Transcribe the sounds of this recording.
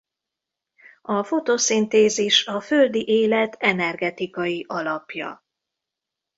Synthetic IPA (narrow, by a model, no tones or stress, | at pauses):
ɒfo̞t̪oːsint̪eːziʃɒføld̪iʔeːlɛt̪ʰɛnɛrɡɛt̪ikɒjiʔɒlɒpjɒ̰